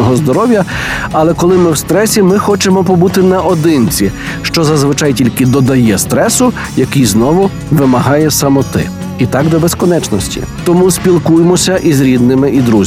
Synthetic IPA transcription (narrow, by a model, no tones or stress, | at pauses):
ɔɦɔzd̪ɔɾɔwʲjɐɐlˠɛkɔlˠɪmɪwst̪ɾɛsʲimɪxɔt͡ʃemɔpɔbut̪ɪnɐʔɔd̪ɪnt͡sʲi | ʃt͡ʃɔzɐzʋɪt͡ʃɑjtʲilʲkɪd̪ɔd̪ɐjɛst̪ɾɛsʊ | jɐkijznɔʋʊ | ʋɪmɐɦɑjɛsɐmɔt̪ɪ̰ | it̪ɑɡd̪ɔbeskɔnɛt͡ʃnɔsʲtʲḭ | t̪ɔmusʲpʲilˠkujemɔsʲɐʔizɾʲid̪nɪmɪʔid̪ɾuzʲ